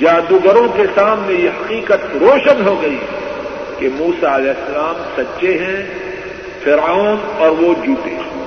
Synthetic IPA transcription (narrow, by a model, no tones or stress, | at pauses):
d͡ʒaːd̪uɡəɾõkesaːmːẽjeɦɐqiːqət̪ɾoːʃənɦoɡɐi | kemuːsaɐlɛːsːɐlaːmsɐtːʃeɦɛ̃ | fʰɪɾanɔːɾʋod͡ʒuːʈḛː